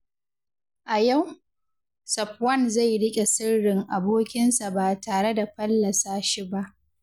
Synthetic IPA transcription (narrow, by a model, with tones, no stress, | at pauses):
ʔa˨ja˦˨w | sɐ˨pwɐ˦˨nza˦˨jɽɪ˦kʲʼe˨sɪ˦rːɪ˨ŋʔa˨boː˦kʲɪ˦nsa˨baː˨taː˨ɽe˦da˨ɸɐ˦lːɐ˨saː˦ʃi˦ba˦ʔ